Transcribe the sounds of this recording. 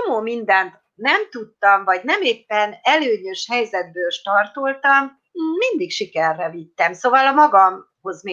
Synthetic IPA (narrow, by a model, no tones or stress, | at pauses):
omoːmind̪ɛnt̪ | nɛmt̪ut̪ːɒmvɒɟnɛmeːpːɛnɛløːɲøʃhɛjzɛd̪̚bøːlʃt̪ɒrt̪olt̪ɒmː | ind̪ikʃikɛrːɛvit̪ːɛmsoːvɒlɒmɒɡɒm | ho̞zmeː